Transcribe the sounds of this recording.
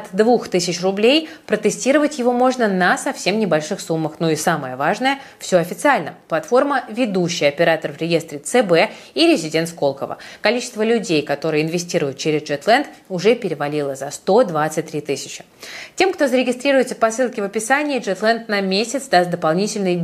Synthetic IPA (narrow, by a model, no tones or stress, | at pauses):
ɐt̪d̪vuxt̪ɨsʲɪt͡ɕrʊblʲejpɾət̪ɨsʲtʲiɾəvətʲjɪvo̞mo̞ʐnənəsɐfsʲe̞mnʲɪbɐlʲʂɨxsumːəxnoisaməjəvaʐnəjəfsʲo̞ɐfʲɪt̪sɨalʲnəplˠɐt̪fo̞rməvʲɪd̪uɕːɪjəɐpʲɪɾat̪ərvɾʲɪje̞st̪ɾʲɪt̪sɛbɛ | iɾʲɪzʲɪdʲent̪sko̞lˠkəvə̰kɐlʲit͡ɕɪst̪vəlʲʉdʲejkɐt̪o̞ɾɨjəɪnvʲɪsʲtʲiɾʊjʊt̪̚t͡ɕeɾʲɪzʐɛt̪lˠɛnd̪ʊʐɛpʲɪɾʲɪvɐlʲilˠəzɐst̪o̞d̪vat̪sɨt̚ʲt̪ːɾʲit̪ɨsʲɪ̥t͡ɕɪ̥ | tʲe̞mkt̪o̞zəɾʲɪɡʲɪst̪ɾʲiɾʊjɪt̪sə̥pɐsɨlˠkʲɪvəpʲɪsanʲɪːʐɛt̪lˠɛnt̪nɐmʲesʲɪt̪sd̪ast̪̚d̪əpalˠnʲitʲɪlʲnɨj